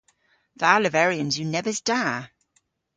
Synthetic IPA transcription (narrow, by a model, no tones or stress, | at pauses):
ðaːləvɛɹiə̃nzjənɛvəzd̥a